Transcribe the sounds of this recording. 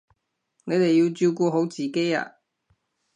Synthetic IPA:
ne˨˧jt̪e˨jːi˧wt͡syː˧wkuː˧ɦo˨˥wt͡siː˨ke˥ja̰ː˧

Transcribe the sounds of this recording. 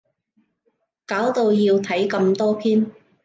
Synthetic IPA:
kaː˨˥wt̪o˨˧wjiː˧wt̪ʰɐ˨˥jkɐ˧mt̪ɔː˥pʰiː˥n

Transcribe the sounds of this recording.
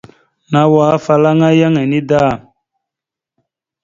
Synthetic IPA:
na˦wa˦fa˨la˦ŋa˦ja˦ŋa˨ni˦da˦˨

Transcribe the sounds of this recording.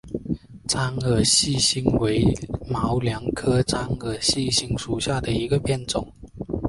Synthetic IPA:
t͡sa˥ŋə˨˩ɕi˥˩ɕi˥ŋwe˧˥ɪmɑ˧˦ʊljɑ˧˥ŋkʰɤ˥t͡sa˥ŋə˨˩ɕi˥˩ɕi˥ŋʂu˨˩ɕja˥˩d̪ə˩i˧˥ɡə˧pʰjɛ˥˩nt͡sʊ˨˩˦ŋ

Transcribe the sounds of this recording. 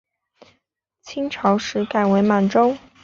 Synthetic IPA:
t͡ɕʰi˥ŋʈ͡ʂʰɑ˧˥ʊʂɻ̩˧˥ka˥˩ɪwe˧˥ɪma˨˩nʈ͡ʂo˥ʊ

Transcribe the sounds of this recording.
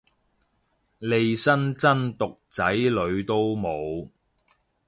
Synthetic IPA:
le˨˧jsɐ˥nt͡sɐ˥nt̪ʊ˨k̚t͡sɐ˨˥jlɵ˨˧ɥt̪o˥wmo˨˧w

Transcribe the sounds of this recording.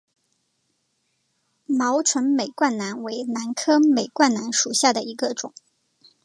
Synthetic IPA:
mɑ˧˥ʊʈ͡ʂʰwə˧˥nme˨˩ɪkwa˥˩nna˧˥nwe˧˥ɪna˧˥nkʰɤ˥me˨˩ɪkwa˥˩nna˧˥nʂu˨˩ɕja˥˩d̪ə˩i˧˥ɡə˧ʈ͡ʂʊ˨˩˦ŋ

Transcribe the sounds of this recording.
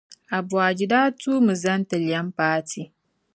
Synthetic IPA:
a˨bwa˨d͡ʒi˨daː˦tʰu˦mɨ˨zɐ˦ntɨ˨lja˦mpaː˦tʰi˦

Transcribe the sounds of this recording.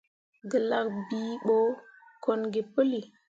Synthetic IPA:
ɡə˨la˨kbi˨ɓo˦ | ko˨nɡi˨pə˦li˨

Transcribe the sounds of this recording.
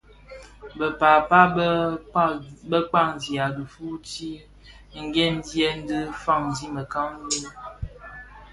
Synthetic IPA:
bə˨paː˨pa˦ | bə˦k͡pa˦˨ŋ˨zi˨a˨du˨fu˦ti˦˨ | ŋ̩˦ɡɛ˦n˦djɛ˦n̩˦dɨ˦fa˦˨ŋzi˦mə˨ka˦ŋ˦bə˦

